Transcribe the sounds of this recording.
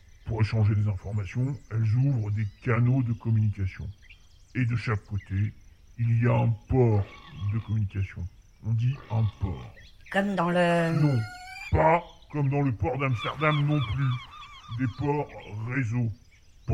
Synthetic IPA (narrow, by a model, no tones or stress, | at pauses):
puʁeʃɑ̃ʒed̪ezɛ̃fɔʁmasjɔ̃ɛlzuvʁəd̪ekanod̪əkɔmynikʲasjɔ̰̃ | ed̪əʃakːot̪e | ilijaɛ̃pɔʁd̪əkɔmynikʲasjɔ̰̃ | ɔ̃d̪iɛ̃pɔ̰ːʁ | kɔmd̪ɑ̃lənɔ̃pakɔmd̪ɑ̃ləpɔʁd̪amst̪ɛʁd̪amnɔ̃plyd̪epɔʁːezo | p